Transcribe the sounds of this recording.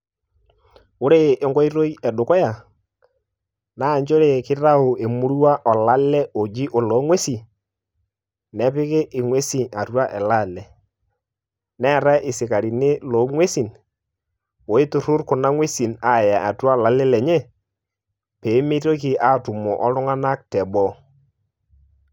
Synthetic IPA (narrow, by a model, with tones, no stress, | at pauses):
ʊ˦ɾeː˦˨˦ŋɡɔ˦i˦ɾo˦i˦ɛ˨ɗʊ˨kɔ˦ja˨ | naː˦˨ɲd͡ʒo˦ɾe˨kɪ˦ra˦ʊ˨e˨mu˦ɾwa˦ʔɔ˨la˦lɛ˦o˨d͡ʒi˦ʔo˨lo˨˦ŋwe˦si˨ | nɛ˦pɪ˦kɪ˦ʔɪ˨ŋwe˦si˨a˨twa˦ʔɛ˨la˦˨lɛ˨ | nɛ˦˨ɾa˦ʔɪ˨sɪ˨ka˨ɾi˨nɪ˦lo˨˦ŋwe˦si˨n | o˨˦ɪ˦tʊ˨ɾʊ˦rkʊ˨na˦ŋwe˦si˨na˦˨ja˨a˨twa˦˨la˨lɛ˦lɛ˨ɲɛ˦ | pe˨˦me˦to˦ki˨ʔa˦˨tʊ˨mɔ˨ʔɔ˦lʊ˦ŋa˦na˦k̚tɛ˨bɔ˦